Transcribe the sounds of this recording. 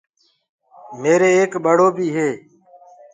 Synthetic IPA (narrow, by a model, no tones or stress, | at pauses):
meːɾeːeːkɓəɽoːbʱiːɦeː